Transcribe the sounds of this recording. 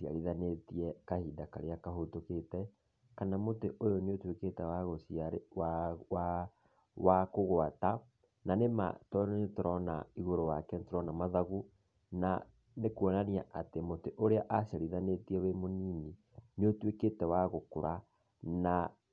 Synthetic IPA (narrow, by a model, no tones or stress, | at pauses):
sia̰ɾiðanetiɛkahiːdakaɾeakaɦotoketɛ | kanamoteʔojoneotweketɛwaɣosiaɾewa | wakoɣwata | nanema̰tɔetoɾɔna̰iɣoɾowakɛntoɾɔnamaðaɣu | na | nekwɔnaniaʔatemoteʔoɾeaʔasiaɾiðanetiɛwemoniːni | neotweketɛwaɣokoɾa | na